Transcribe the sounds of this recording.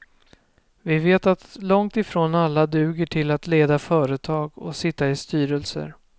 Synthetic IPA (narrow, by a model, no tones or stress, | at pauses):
vɪveːt̪at̪lɔŋt̪ɪfɾoːnalːad̪ʉ̟ːɡəʈʰɪlat̪leːd̪afœːɾət̪ʰɑːɡɔ̰sɪt̪ːaɪst̪yːɾəlsə̰ɾ